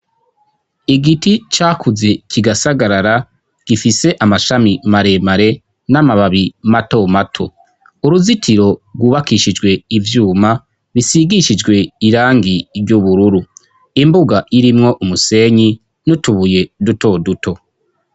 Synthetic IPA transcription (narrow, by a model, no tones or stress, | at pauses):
iɡitit͡ʃaːkʰuze̞kʰiɡasaɡaɾaɾa | ɡ̥ifise̞ʔamaʃamimaɾe̞maɾe̞ | namaβaβimato̞matʰo̞̰ | uɾuzitʰiɾo̞ɡwuβakiʃid͡ʒɡwe̞ivjuːma | βisiɡiʃid͡ʒɡwe̞iɾaːŋɡiɾɟuβuɾuɾu | imbuɡaiɾimŋo̞ʔumuse̞ɲi | nutuβuje̞duto̞dutʰo̞